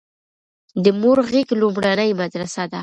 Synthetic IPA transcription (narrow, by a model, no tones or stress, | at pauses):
d̪əmoɾɣiɡlumɽanəjmad̪ɾasad̪a